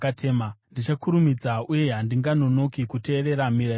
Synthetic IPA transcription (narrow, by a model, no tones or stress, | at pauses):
ateːmandit͡ʃakuɾumid͡zaʔuje̞ɦandiŋɡano̞no̞kikute̞ːɾe̞ɾamiɾa